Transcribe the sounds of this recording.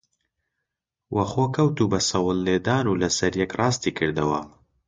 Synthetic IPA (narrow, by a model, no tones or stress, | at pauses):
wʔɐxoːkʰɐwt̪ubɐsɐwəlːeːd̪aːnulɐsɐɾjɛkrɑːst̪ikʰɨɾd̪ɐwa̰m